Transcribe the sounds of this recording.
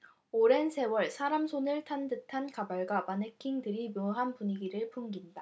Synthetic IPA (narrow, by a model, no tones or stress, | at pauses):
oɾe̞nsʰe̞wʌɭsʰaɾamsʰonɯɭtʰandɯtʰankabaɭɡwapanekʰiŋdɯɾimjoŋɦanpuɲiɡiɾɯɭpʰumɡinda